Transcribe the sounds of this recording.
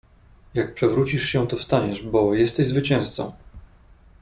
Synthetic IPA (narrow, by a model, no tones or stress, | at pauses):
jak̚pʂɛvɾut͡ɕiʂɕɛ̃t̪ɔfst̪aɲɛʐbɔjɛst̪ɛʑzvɘt͡ɕɛ̃w̃st̪sɔ̰̃w̃